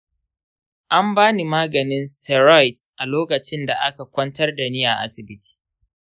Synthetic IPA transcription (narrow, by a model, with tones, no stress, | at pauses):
ʔa˦mbaː˦ni˨maː˦ɡɐ˨nɪ˦nstɛ˨ɾɔ˦jtʔa˨loː˦kɐ˨t͡ʃɪ˦nda˨ʔa˦ka˨kʷɐ˦ntɐ˦rda˨ni˦ja˨ʔa̰˦sɪ˨bɪ˦tʰi̥˨